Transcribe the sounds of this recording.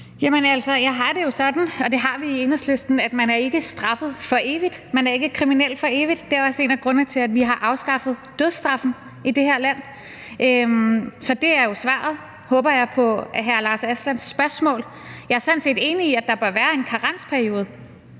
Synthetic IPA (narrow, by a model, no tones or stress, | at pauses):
jæmənæl̰sɒ̽jɑ̈ɪɦɑ̈d̥e̝jo̝sɒ̽d̥n̩ɒ̽d̥e̝ɦɑ̈ʋiːenəsle̝sd̥n̩æd̥mænæɐe̝ɡ̥əsd̥ʁɑ̈fð̞̩ˠfɒ̽ʔe̝ːʋid̥mænæɐe̝ɡ̥əkʰʁiminel̰̥fɒ̽e̝ːʋid̥ːe̝æɐɒ̽səe̝̰ːnæɡ̥ʁɔ̽nət͡sʰe̝læd̥ʋiɦɑ̈ʔɑ̈ʊsɡ̥ɑ̈fð̞̩ˠd̥øð̞ˠsd̥ʁɑ̈fn̩ | id̥e̝heɐ̰læn̰ | ʔøsɒ̽d̥e̝æɐjo̝sʋɑ̰̈ːð̞̩ˠ | hɔ̽ːb̥ɐjɑ̈ɪpʰɒ̽æɦæɐlɑ̈ːsæslæn̰sːb̥ɶɐsmɔ̰̽ːl | jɑ̈æɐsænse̝̰ːd̥e̝ːniːæd̥ɑ̈b̥ɶɐʋæːɐe̝nkʰɑ̈ʁɑ̈n̰spʰæɐio̝ːð̞̩ˠ